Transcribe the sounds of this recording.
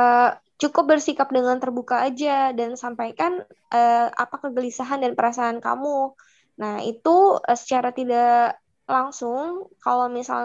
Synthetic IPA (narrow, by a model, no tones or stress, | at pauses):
ət͡ʃukʊp̚bərsikap̚dəŋant̪ərbukaːd͡ʒadansampajkan | ʔəa̰pakːəɡəlisaɦandanpəɾasaːnka̰mu | nahḭt̪usə̥t͡ʃaɾat̪ida | laŋsʊŋkalawmisa̰l